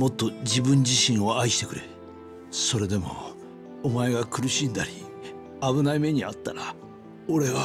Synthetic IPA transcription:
mo̞t̪ːo̞d͡ʑibɯ̟̃ɲ̟d͡ʑiɕĩɰ̃o̞aiɕi̥t̪e̞kɯ̟ɾe | so̞ɾe̞d̪e̞mo̞̰ | omae̞ɡakɯ̟ɾɯ̟ɕĩnd̪aɾʲi | aβɯ̟naime̞ɲ̟iat̪ːaɾa | oɾe̞βa

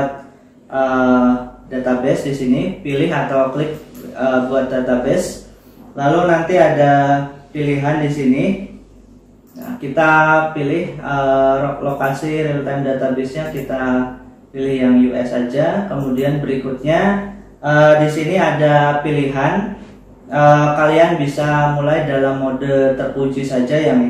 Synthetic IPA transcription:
at̪̚ | ʔə | dat̪abɛsdisinipilɪɦat̪awklɪk̚əbuat̪̚dat̪abɛs | lalunant̪iadapiliɦandisini | ja̰kit̪apilɪhəlokasiɾilut̪amdat̪abɛsɲakit̪a | pilɪhjaŋjuʔɛsad͡ʒakəmudianbəɾikut̪̚ɲa | əːdisiniadapiliɦan | əkalianbisamulajdalamːodəlt̪ərpud͡ʒisad͡ʒajaŋ

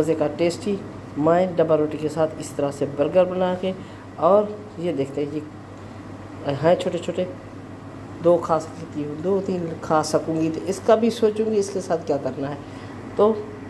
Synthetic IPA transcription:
ɐzekaʈeːsʈiː | mãːẽɖɐbaɾoːʈikesaːt̪ʰɪst̪əɾasebɐɾɡəɾbɐnake | ɔːɾ | jed̪eːk̚ʰt̪eɦɛ̃ki | ɦɛ̃t͡ʃʰoːʈet͡ʃʰoːʈe | d̪oːkʰaːset̪iɦũd̪oːt̪iːnkʰaːsɐkũːŋɡit̪ʰɪskabʱisoːt͡ʃũːŋɡiɪskesaːt̪̚ʰkjaːkɐɾnaɦɛː | t̪oː

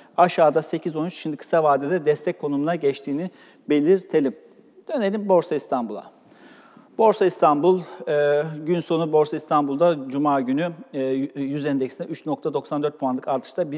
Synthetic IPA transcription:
aʃaːd̪ase̞cʰizo̞nyt͡ʃʃimd̪ikʰɯ̥savaːd̪id̪ɛd̪ɛst̪ʰɛc̚kʰːo̞numunaɟɛt͡ʃt̪ʰiːni | be̞lʲiɾt̪ʰe̞lʲim | d̪̥øne̞lʲimbo̞ɾsaist̪ʰanbulˠa̰ | bo̞ɾsaist̪ʰanbulˠː | ɟynso̞nubo̞ɾsaist̪ʰanbulˠd̪ad͡ʒumaːɟyny | jyzɛnd̪ɛcsinɛyt͡ʃno̞k̚t̪ʰad̪o̞ksand̪ø̞ɾt̪̚pʰoanlˠɯkaɾt̪ʰɯ̥ʃt̪ʰabi

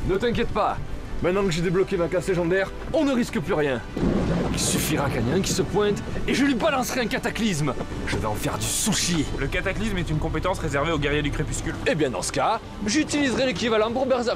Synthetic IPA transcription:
nət̪ɛ̃k̬ʲjɛt̪pamɛ̃t̪nɑ̃kəʒed̪eblɔkemakasleʒɑ̃d̪ɛʁ | ɔ̃nəʁiskəplyʁjɛ̃ | ilsyfiʁakaɲɛ̃kʲi̥səpwɛ̃t̪eʒəlɥibalɑ̃sχɛɛ̃kat̪aklis̬m | ʒ̥əveɑ̃fɛʁd̪ysuʃjeləkat̪aklismɛt̪ynkɔ̃pet̪ɑ̃sʁezɛʁveoɡɛʁjed̪ykχepyskʲylebjɛ̃d̪ɑ̰̃sə̥ka | ʒyt̪ilizʁɛlekʲivalɑ̃puʁbɛʁza

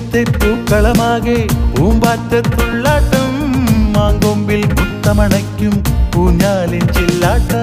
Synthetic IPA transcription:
t̪ːɐɪt̪ːuːkːɐɭɐmaːɣɐuːmbaːɾt̪ːɐt̪ːʊɭːaːʈːɐmːaːŋɡombɪlkʊt̪ːɐmɐɳɐɪkːɯmpuːɲːaːlɪnt͡ʃɛlːaːʈːɐ

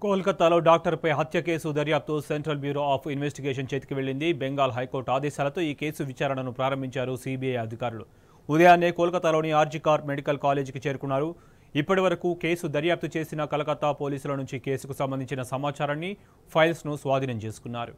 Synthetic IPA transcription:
koːlkɐt̪ːaːlo̞ːɖaːk̚ʈɐɾpɐjɦɐt̪jɐke̞ːsud̪ɐɾjaːp̚t̪useɳʈɾɐlbjuːɾo̞ːaːpʰinʋesʈiɡeːʂ̬ɐnt͡ʃe̞ːt̪i̥kiʋe̞ɭːind̪ibeŋɡaːlɐɦɐjko̞ːɾʈaːd̪ɛːʃaːlɐt̪o̞ːiːke̞ːsuʋit͡ʃaːɾɐɳɐnupɾaːɾɐmbʱiɲt͡ʃaːɾusibiɐjɐd̪ʱikaːɾulu | ud̪ɐjaːnːeːkɔːlkɐt̪ːalo̞ːniaːɾd͡ʒikaːɾmeɽikɐlkaːle̞ːd͡ʒkit͡ʃe̞ːɾukunːaːɾu | ipːɐʈiʋɐɾɐkuːke̞ːsud̪ɐɾjaːp̚t̪it͡ʃe̞ːsinɐkɐlɐkɐt̪ːapo̞ːliːsulɐnuɲt͡ʃike̞ːsukusɐmbɐnd̪ʱiɲt͡ʃinɐsɐmaːt͡ʃaːɾɐnːi | pʰɐjlsnusʋaːd̪ʱinɐmt͡ʃe̞ːsu̥kunːaːɾu

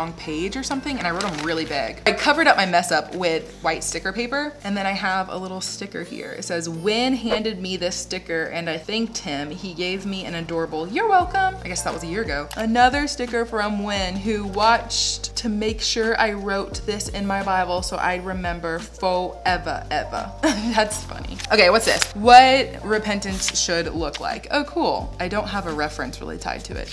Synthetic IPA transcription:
ɔ̃ŋpʰeɪd͡ʒə˞sʌ̃mθɪ̃ŋɨ̃ñaɪɹoʊɾɨ̃mɹɪlˠibɪ̰ɡ̥aɪkʰʌvə˞ɾʌp̚maɪmɛsʌpʰwɪð̥waɪtstɪkə˞pʰeɪpə˞ʔɨ̃nðɨ̃ɾ̃aɪəvə̰lɪɾl̩ˠstɪkə̰˞hḭɹɨ̰tsɛzwɪ̃nɦæ̃ndɨd̚miðɪstɪkə˞ʔɨ̃naɪθæ̃ŋk̚t̚hɪ̃miɡeɪvmiɨ̰̃ñɨdɔɹəbl̩ˠjə˞wɛlˠkə̃maɪɡɛsðət̚wʌzɨjɪɹɨɡoʊʔənʌðə˞stɪkə˞fɹʌ̃mwɪ̃nɦʉwɑt͡ʃtʰɨmeɪkʃʊɹʔa̰ɪɹoʊt̪̚ðɪsɪ̃nmaɪbaɪbl̩ˠsoʊʔa̰ɪd̚ɹɨmɛ̃mbə˞foʊɛvə̰ʔɛvə̰ðætsfʌ̰nḭʔoʊkʰeɪwʌtsðɪ̰swʌt̚ɹɨpʰɛ̃ntɨ̃nsʃɨdˡlʊkʰla̰ɪkʰo̰ʊkʰulˠaɪdõʊ̃nt̚ɦəvəɹɛfɹɨ̰̃nsɹɪ̰lˠḭtʰa̰ɪd̚tʰɨ̰ɪ̰t̚

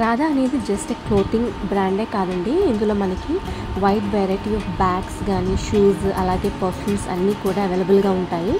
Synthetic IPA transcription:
ɾaːd̪aɐne̞ːd̪id͡ʒɐsʈekloːt̪iŋɡbɾaːɳɖeːkaːd̪ɐɳɖiːnd̪ulo̞ːmɐnɐki | ʋɐjt̪ʋɛːɾajʈiɐːfbaːksɡaːniːʃuːsɐ̰laːɡe̞ːpɐɾpʰjuːmsɐ̰nːiːkuːɽaːɐʋeːlɐbɐlɡaːuɳʈaːji

